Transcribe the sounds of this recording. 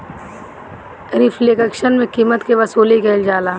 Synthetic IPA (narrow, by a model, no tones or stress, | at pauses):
ɾɪfleːɡəkʃənmẽkiːmət̪keʋɐsoːlikeːld͡ʒaːlaː